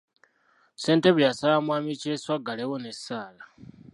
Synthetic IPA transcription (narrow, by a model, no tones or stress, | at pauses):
se̞ːnteβuljasalamwaːmiceswaɡalewonesaːla